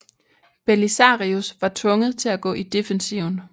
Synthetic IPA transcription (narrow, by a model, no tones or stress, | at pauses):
b̥elisɑ̈ʁiusʋɑ̈t͡sʰʋɔ̽ŋəð̞̩ˠt͡sʰe̝læɡ̥ɔ̰̽ːʔid̥e̝fensiʊn